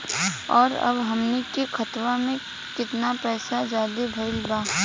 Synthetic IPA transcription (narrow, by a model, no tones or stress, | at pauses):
ɔːɾɐ̰bɦɐmnekixʰɐt̪ʋamẽ | kɪt̪napɛːsad͡ʒaːd̪ebʱəɪlbaː